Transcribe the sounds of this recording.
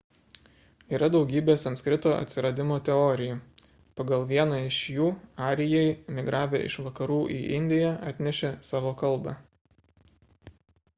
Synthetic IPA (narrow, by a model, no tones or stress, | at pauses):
iːɾɐd̪ɒʊɡʲiːbʲeːsɐnt̪kɾʲɪt̪oːʔɐ̰t̪ʲsʲɪɾɐd̪ʲɪmoːt̪ʲɛɔɾʲɪjuː | pɐɡɐlˠʋʲiɛnɑɪʃjuːɑːɾʲɪjɛɪmʲɪɡɾʔɑːʋʲḛːɪ̰ʃʋɐkɐɾuːʔḭːʔɪnʲd̪ʲɪjæʔɑt̪ʲnʲɛʃʲeːsɑːʋoːkɐlˠˑbɑ